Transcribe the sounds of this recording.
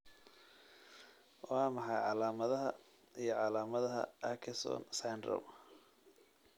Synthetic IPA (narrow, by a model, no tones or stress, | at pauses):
wɑːmɑħɑjʕɑlaːmɐðɐɦɐ | ijɞʕɑlaːmɐðɐɦɐ̰ʔakʰɐsɔ̰ːnsajndrɐ̰m